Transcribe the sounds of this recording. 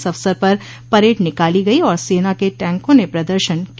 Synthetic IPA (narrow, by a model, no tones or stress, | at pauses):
sɐʋsəɾpɐɾ | pɐɾeːʈnɪkaːliɡɐiɔːɾseːnakeʈɛ̃ːŋkõnepɾɐd̪əɾʃənk